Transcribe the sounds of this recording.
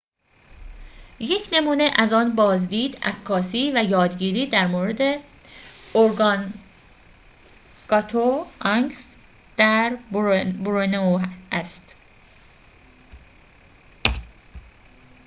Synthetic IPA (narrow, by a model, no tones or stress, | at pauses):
je̞cʰne̞muːneʔæzɒːnbɒːzd̪iːd̪æ̰kʰːɒːsiːvæjɒːd̪ɟiːɾiːd̪æɾmoːɾe̞d̪e | oɾɡɑn | ɡ̥ɒt̪ʰoɒŋɡs | d̪̥æɾbboɾonoæst̪